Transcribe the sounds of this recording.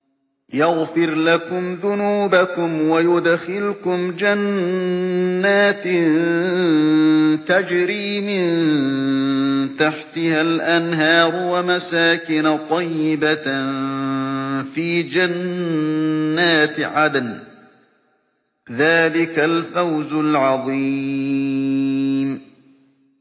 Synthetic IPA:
jaɣfɪɾlakʊmðʊnuːbakʊmwajʊd̪xɪlkʊmd͡ʒan | aːt̪ | t̪ad͡ʒɾiːmɪn | t̪aħt̪ɪhalʔanɦɑːɾwamasaːkɪnat̪ˤɑjːɪba | fiːd͡ʒan | aːt̪ʕad̪an | ðaːlɪkalfawzʊlʕɑðˤi | m

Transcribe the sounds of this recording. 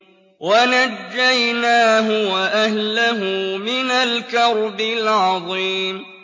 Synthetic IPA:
wanad͡ʒːajnaːɦʊwaʔahlaɦʊmɪnalkɑɾˤbɪlʕɑðˤiːm

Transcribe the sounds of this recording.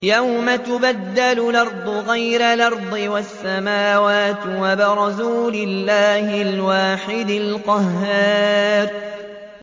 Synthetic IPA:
jawmat̪ʊbad̪ːalʊlɑɾˤd̪ˤʊɣajɾalɑɾˤd̪ˤɨwasːamaːwaːt̪wabɪɾˤɑsuːlɪlːaːhɪlwaːħɪd̪ɪlqɑɦːaːɾ

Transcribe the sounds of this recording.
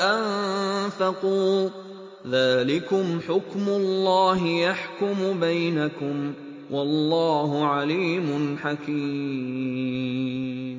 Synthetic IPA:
ʔanfɑquː | ðaːlɪkʊmħʊkmʊlːɑːɦɪjaħkʊmʊbajnakʊm | wʔɑlːɑːɦʊʕaliːmʊnħakiː | m

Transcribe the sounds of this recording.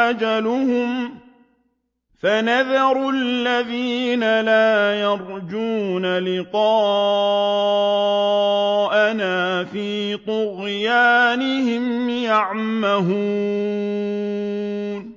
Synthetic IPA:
ad͡ʒalʊhʊm | fanaðɑɾalːaðiːnalaːjɑɾˤd͡ʒuːnalɪqɑː | ʔanaːfiːt̪ˤʊɣjaːnɪhɪmjaʕmaɦuː | n

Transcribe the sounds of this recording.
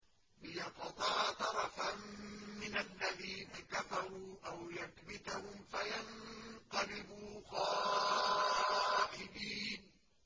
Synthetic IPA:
lɪjɑqt̪ˤɑːt̪ɑɾˤɑfamːɪnalːaðiːnakafɑɾˤuːʔawjaθbɪt̪ahʊmfajanqɑlɪbuːɣɑː | ʔɪbiːn

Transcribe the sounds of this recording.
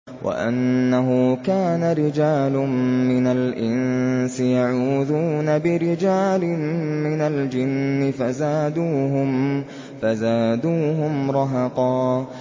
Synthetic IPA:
wʔa̰ʔa̰nːaɦʊkaːnaɾɪd͡ʒaːlʊmmɪnalʔɪnsɪjaʕuːðuːnabɪɾɪd͡ʒaːlɪmɪnald͡ʒɪnːɪfazaːd̪uːɦʊm | fazaːd̪uːɦʊmɾˤɑɦɑqɑː

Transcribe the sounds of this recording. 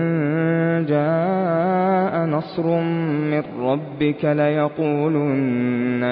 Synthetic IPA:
n | d͡ʒaː | ʔanɑsˤɾmɪrːɑbːɪkalajɑquːluːnːa

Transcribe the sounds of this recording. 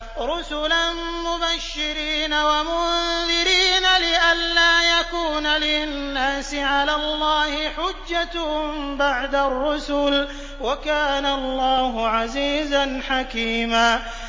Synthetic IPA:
ɾʊsʊlan | mʊbaʃːɪɾiːnawamʊðɪɾiːnalɪʔalːaːjakuːnalɪnːaːsɪʕalaːlːɑːhɪħʊd͡ʒːat̪hʊmbaʕd̪arːʊsʊl | wakaːnaɑlˤːɑːɦʊʕaziːzanħakiːmaː

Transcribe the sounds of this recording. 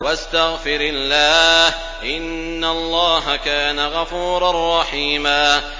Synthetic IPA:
wast̪aɣfɪɾɪlːaːh | ʔɪnː | alˤːɑːɦakaːnaɣɑfuːɾˤarˤːɑħiːmaː

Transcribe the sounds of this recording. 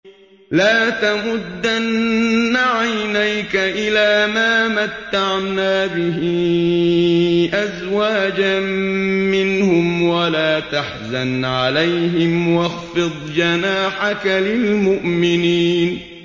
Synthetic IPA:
laːt̪amʊd̪ːanːaʕajnajkaʔɪlaːmaːmat̪ːaʕnaːbɪɦɪ | ʔazwaːd͡ʒa | mɪnhʊmwalaːt̪aħzanʕalajɦɪmwɑɣfɨd̪ˤd͡ʒanaːħakalɪlmʊʔmɪniːn

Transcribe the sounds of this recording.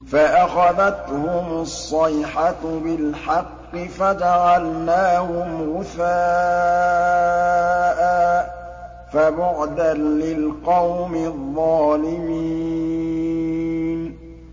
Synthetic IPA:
faʔaxaðat̪hʊmsˤːɑjħabɪlħɑqːɨfad͡ʒaʕalnaːhʊmɣʊθaː | ʔa | fabʊʕd̪anlɪlqɑwmɪðˤːɑːlɪmi | n

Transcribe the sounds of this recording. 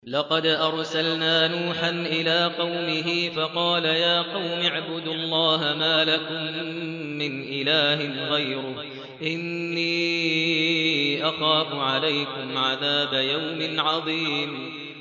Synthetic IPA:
lɑqɑd̪ʔɑɾˤsalnaːnuːħanʔɪlaːqɑwmɪɦɪfɑqɑːlajaːqɑwmɪʕbʊd̪ʊlˤːɑːɦamaːlakʊmː | ɪnʔɪlaːɦɪnɣajɾʊh | ʔɪnːiː | ʔɑxɑːfʊʕalajkʊmʕaðaːbajawmɪʕɑðˤiːm

